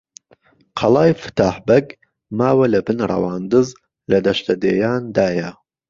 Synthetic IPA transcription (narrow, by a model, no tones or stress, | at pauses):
qʰɑlˠɑːjfɨ̥t̪ʰaːħbɐɡ | maːwɐlɐbɨnrˤɑ̰wɑːnd̪ɨz | lɐd̪ɐʃt̪ɐd̪eːjaːnd̪aːjɐ